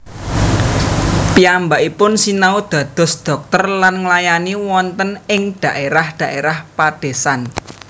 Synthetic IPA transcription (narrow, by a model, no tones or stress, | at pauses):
piambaʔipʊnsinaud̪̥ä̤d̪̥ɔ̤sd̪̥ɔ̤k̚t̪ərlanŋlajaniwɔnt̪ənɪŋd̪̥a̤ʔeɾahd̪̥a̤ʔeɾahpad̪̥e̤san